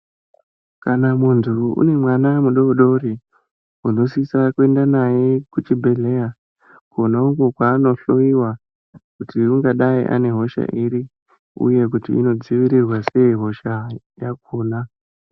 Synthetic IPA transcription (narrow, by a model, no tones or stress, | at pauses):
kanamuntʰuṵne̞mwanamuɗo̞ɗo̞ɾi | uno̞sisakwe̞ndanajekut͡ʃibʱe̞ɮeja | konauɡokwaːno̞ɬo̞iwa | kutiuŋɡaɗaḭʔa̰ne̞ɦo̞ʃa̰ʔiɾi | ṵje̞kutḭḭno̞d͡ziʋiɾirwase̞iɦo̞ʃa | jak̚uːna